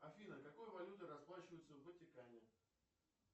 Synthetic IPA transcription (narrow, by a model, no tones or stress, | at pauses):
ɐfʲinəkɐko̞jvɐlʲut̪ɨɾɐsplˠaɕɪvəjɪt̪səvətʲɪkanʲɪɪ